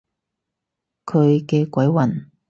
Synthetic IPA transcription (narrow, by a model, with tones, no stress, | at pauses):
kʰɵ˨˧ɥkɛː˧kʷɐ˨˥jwɐ˨˩n